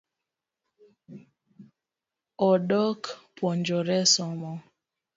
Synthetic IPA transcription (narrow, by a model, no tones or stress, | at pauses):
ɔɗɔkpwɔɲd͡ʒɔɾɛsɔmɔ